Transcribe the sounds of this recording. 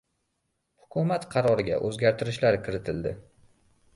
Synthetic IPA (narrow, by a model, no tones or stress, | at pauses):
hʊ̥kʰʲʊmat̪qʰɑɾɒɾɪɡʲa̰ʔɵzɡʲaɾt̪ʰɪɾɪʃlaɾkʲʰɪɾɪt̪ʰɪld̪ɪ